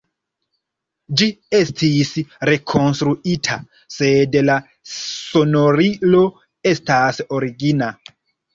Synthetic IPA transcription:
d͡ʒiestʰisɾe̞kʰo̞nst̪ɾuitʰa̰ | sedla | sonoɾilo̞ | e̞stasoɾiɡina

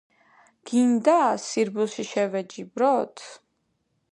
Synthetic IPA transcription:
ɡ̥ind̪asiɾbuʃiʃɛvɛd͡ʒibɾɔt̪ʰ

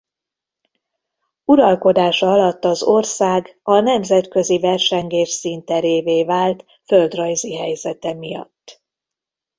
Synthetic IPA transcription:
uɾɒlko̞d̪aːʃɒɒlɒt̪ːɒzo̞rsaːɡ | ɒnɛmzɛt̪kø̞zivɛrʃɛŋɡeːʃsint̪ɛɾeːveːvaːlt̪ | fø̞ld̪rɒjziɦɛjzɛt̪ɛmijɒ̰t̪ː

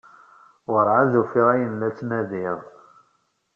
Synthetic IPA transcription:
wəɾʕazufiʁæjənlæt͡sːnæðiʁ

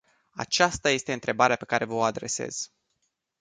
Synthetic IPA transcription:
a̰t͡ʃast̪aje̞st̪e̞ɨnt̪ɾe̞baɾeape̞kaɾʔe̞vəoad̪ɾe̞se̞̰z̥

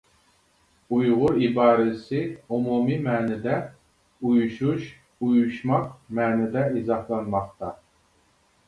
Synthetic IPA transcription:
ujʁʊɾibɑːɾɪsɪomumimɛːnɛd̪ɛ | ujuʃuʃ | ujuʃmɑqmɛːnɛd̪ɛizɑhlˠɑnmɑχt̪ɑ

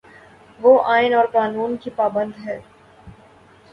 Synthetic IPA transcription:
ʋoːʔaːɪnɔːɾkaːnuːnkipaːbə̃nd̪ɦɛː

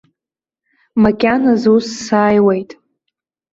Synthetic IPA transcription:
makʲʼanazusːaːjwejtʼ

